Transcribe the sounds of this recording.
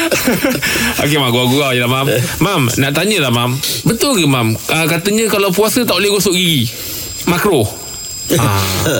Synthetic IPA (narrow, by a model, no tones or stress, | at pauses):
ʔo̰k̬emaɡuaɡuajəlahmammamnaʔt̪aɲəlahmambət̪ʊlɡəmaməkat̪əɲə̃kalawpuasət̪aʔleɡosoʔɡi | makɾo | a